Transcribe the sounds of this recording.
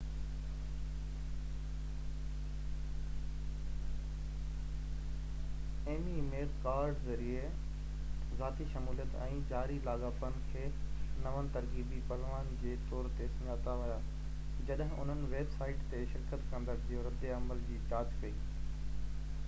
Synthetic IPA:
eːmimeːlkaːɾɖzɐɾie | zaːt̪iʃɐmuːlijət̪ɛ̃ːd͡ʑaːɾilaːɡaːfənɪ̆kʰeːnɐʋənɪ̆t̪ɐɾkiːbipɐɦʋaːnd͡ʑeːt̪ɔːɾt̪esɐ̃ɲaːt̪aʋʊjaː | d͡ʑɐɗɦɪ̃ʔʊ̰n̤ənɪ̆ʋeːbsaːɪʈt̪eʃɪɾkət̪kɐ̃nd̪əɾd͡ʑoɾɪd̪eɐməld͡ʑiːt͡ɕaːd͡ʑkɐiː

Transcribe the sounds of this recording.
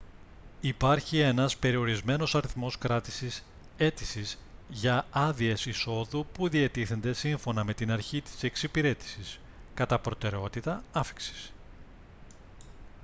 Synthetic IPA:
ipɐɾçie̞nɐspe̞ɾio̞ɾizme̞no̞sɐɾiθmo̞skɾɐt̪isis | e̞t̪isizʝɐɐðie̞siso̞ðupuðiɐt̪iθe̞nd̪e̞siɱfo̞nɐme̞t̪inɐɾçit̪i̥se̞ksipiɾe̞t̪i̥sis | kɐt̪ɐpɾo̞t̪e̞ɾe̞o̞t̪it̪ɐɐfi̥ksi̥s

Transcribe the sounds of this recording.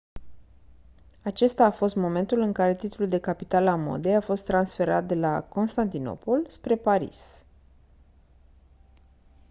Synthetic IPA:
at͡ʃe̞st̪aːfo̞st̪mo̞me̞nt̪ulɨŋkaɾe̞t̪it̪luld̪e̞kapit̪alamo̞̰d̪e̞jafo̞st̪ːɾansfe̞ɾa̰t̪̚d̪e̞la̰ko̞nst̪ant̪ino̞̰po̞lspɾe̞paɾḭs

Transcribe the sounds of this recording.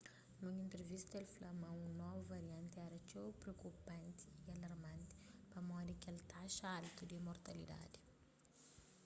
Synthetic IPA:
nũɲĩnt̪ɾevist̪elflɐmɐ̃ũnɔvuvɐɾiɐ̃nt̪ɛɾɐt͡ʃowpɾeowkupɐ̃nt̪iiɐlɐɾmɐ̃nt̪i̥pɐmɔ̃d̪ikelt̪aʃalt̪ud̪imoɾt̪ɐlid̪a̰d̪i̥

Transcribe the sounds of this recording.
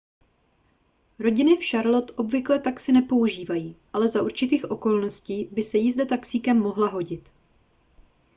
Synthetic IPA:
ɾo̞ɟɪnɪfʃaɾlo̞t̪ʔo̞bvɪklɛt̪aksɪnɛpo̞uʒiːvajiːʔalɛzaʔuɾt͡ʃɪt̪iːxʔo̞ko̞lno̞sciːbɪsɛjɪzdɛt̪aksiːkɛmːo̞ɦlaɦo̞ɟɪt̪

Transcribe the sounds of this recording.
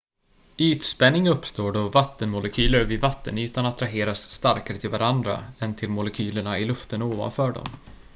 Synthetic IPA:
yːt̪spɛnːɪŋɵpːst̪oːɖɔvat̪ːənmʊlɛkʰyːləɾvɪvat̪ːə̰nyːt̪anat̪ʰɾaɦeːɾasːt̪aɾkaɾət̪ʰɪlvaɾand̪ɾa̰ɛnt̪ʰɪlmʊlɛkʰyːləɳaɪlɵft̪ənoːva̰nfœːɖɔ̰m

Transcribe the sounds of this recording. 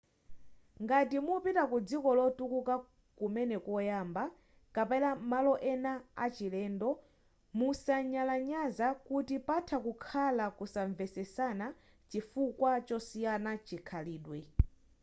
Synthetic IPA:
ŋɡatimupitakud͡zikɔlɔtukuka | kumɛnɛkɔjaːmba | kapɛlamalɔʔɛnaa̰t͡ʃilɛːndɔ | musaɲalaɲazakutipatʰakukʰalakusaɱvɛsɛsana | t͡ʃifukwat͡ʃɔsijanat͡ʃikʰaliːɗwɛ

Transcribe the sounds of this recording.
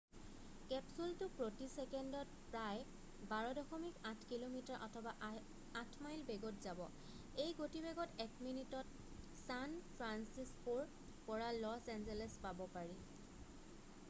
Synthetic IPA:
kɛpsultʊpɹotisɛkɛndɔt̚ | pɹaj | baɹɔdɔxɔmikatʰkilomitaɹʔɔtʰɔbaʔ | atʰmajlbɛɡɔtzabɔ | ejɡotibɛɡɔtɛkminitɔt | sanpʰɹansispoɹ | pɔɹalɔsɛnzɛlɛspabɔpaɹi

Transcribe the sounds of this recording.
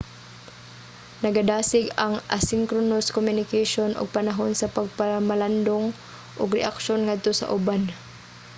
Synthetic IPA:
nɐɡad̪aːsɪɡɐŋʔasɪŋkɾonoskomjʊnɪkaʃonʔʊ̰ɡ̚pɐnaɦonsɐpaɡ̚pamaland̪oŋ | ʔʊɡɾɛʔakʃonŋad̪̚t̪osɐ̰ʔʊban

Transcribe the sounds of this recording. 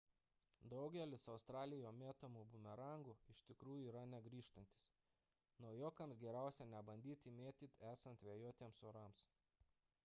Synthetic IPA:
d̪ɒʊɡʲɛlʲɪsɐʊst̪ɾɑːlʲɪjoːmʲeːt̪ɐmuːbʊmʲɛɾɑˑŋɡuːɪʃʲt̪ʲɪkɾuːjuʊiːɾɐnʲɛɡɾʲiːʃt̪ɐnʲt̪ʲɪ̥s | nɔʊjoːkɐmsɡʲɛɾʲæˑʊsʲɛnʲɛbɐnʲd̪ʲiːt̪ʲɪmʲeːt̪ʲit̪ʲæːsɐnt̪ʋʲeːjoːt̪ʲeːmsoːɾɐms

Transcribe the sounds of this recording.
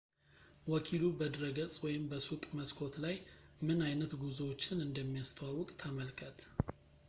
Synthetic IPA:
wɔkʰilubəd̪ɾəɡət͡sʼwɔjɪmbəsukʼməskʰo̞t̪laj | mɨnajnət̪ɡuzwot͡ʃːɪnɨnd̪əmːijast̪ʰəwawɔkʼt̪ʰəməlkʰət̪

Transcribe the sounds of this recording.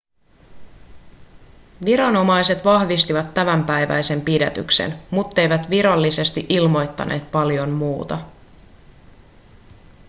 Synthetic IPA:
ʋiɾɑno̞mɑjse̞t̪ʋɑhʋist̪iʋɑt̪ːæmæmpæjʋæ̰jse̞mpidæ̰t̪y̰kse̞̰nmut̪ːe̞jʋæt̪ʋiɾɑlːise̞st̪iʔilmo̞jt̪ːɑ̰nʔe̞ːt̪pɑljo̞mmuːt̪ɑ

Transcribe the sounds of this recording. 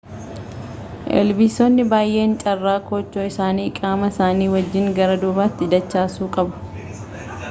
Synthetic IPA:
ʔɛ̰lbiːsonːɪbaːjʔe̞ːnt͡ʃʼɐrːaːkoːt͡ʃːoːɪsaːniːkʼaːmɐsaːniːwɐd͡ʒːɪŋɡɐɾɐd̪ʊːbaːt̪ːɪd̪ɐt͡ʃːaːsuːkʼɐbʊ̥

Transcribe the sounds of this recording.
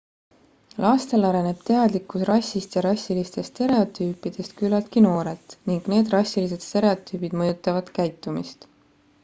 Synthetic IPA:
lɑːst̪e̞lɑɾene̞b̥̚t̪e̞ɑd̪likːˑusrɑsʲːist̪jɑɾɑsʲːilist̪e̞st̪e̞ɾe̞o̞t̪ˑyːpːˑid̪̥e̞st̪kylːɑlt̪̚kino̞ːɾe̞lt̪niŋɡ̥ne̞ːd̪̥rɑsʲilise̞d̪̥st̪e̞ɾe̞o̞t̪ːˑyːbid̪̥mɤ̞jut̪ːˑɑvɑd̪̥kæjt̪ːˑumḭst̪

